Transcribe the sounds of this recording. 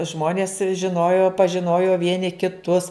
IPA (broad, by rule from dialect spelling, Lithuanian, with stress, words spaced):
ˈʒmoːnʲeːs ʒʲɪˈnoːjoː pɐʒʲɪˈnoːjoː ˈʋʲiɛnʲɪ kʲɪˈtʊs